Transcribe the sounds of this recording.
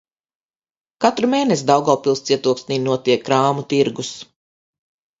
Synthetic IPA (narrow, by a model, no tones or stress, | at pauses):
kat̪ɾumeːnes̬id̪awɡalˠpilˠst̪siɛt̪uɔksnʲiːnuɔt̪iɛkːɾaːmut̪iɾɡus